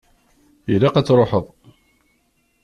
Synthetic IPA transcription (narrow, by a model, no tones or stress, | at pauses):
ilɑqæt͡sːɾˤoħəðˤ